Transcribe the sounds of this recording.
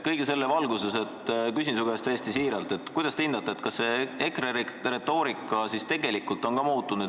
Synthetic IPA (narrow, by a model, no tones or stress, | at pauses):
kɤjɡ̥ese̞lːevɑlɡuse̞set̪kys̬ʲinsuɡest̪æjest̪isiːɾɑlt̪e̞t̪kujd̪̥ɑst̪eind̪ɑt̪ːeet̪kɑsːe̞ekrere̞t̪o̞ːɾikːˑɑsist̪e̞ɡe̞likːult̪ːˑo̞nkɑmuːt̪ːˑunu